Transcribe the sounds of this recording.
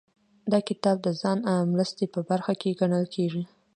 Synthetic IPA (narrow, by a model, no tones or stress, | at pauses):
d̪ɑkɪt̪ɑb̚d̪əzɑnawmɾəst̪epəbaɾxakeɡaɳəlkʰeʐi